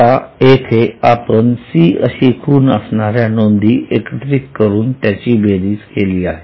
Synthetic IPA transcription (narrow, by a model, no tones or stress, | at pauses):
aekʰeapənsiːəɕikʰuːnəsnaɾjanond̪ʱiːʔekəʈ̪ɾikkəɾuːnt̪jat͡ɕiːbʱeɾiːskeliːaɦe